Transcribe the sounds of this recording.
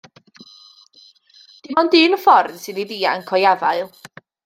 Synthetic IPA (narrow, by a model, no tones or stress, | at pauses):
d̥ɪmɔndɪnfɔrd̥sɪniðiːə̰nkʰɔjavaɨlˠ